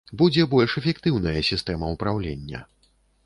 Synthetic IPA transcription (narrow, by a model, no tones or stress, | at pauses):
bud͡zʲɛbɔlʲʂɛfʲɛkt̪ɨwnɐjɐsʲist̪ɛmɐupɾawlʲenʲːɐ̰